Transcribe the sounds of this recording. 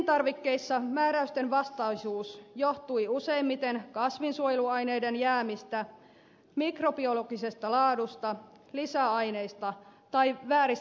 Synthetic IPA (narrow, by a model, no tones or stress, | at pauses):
nt̪ɑrʋikːe̞isːɑmæːɾæyst̪enʋɑst̪ɑisuːsjoht̪uiuse̞immit̪enkɑsʋinsuojeluɑjne̞idenjæːmist̪æ | mikropioloɡ̥isest̪ɑlɑːdust̪ɑ | lisæɑine̞ist̪ɑt̪ɑiʋæːɾis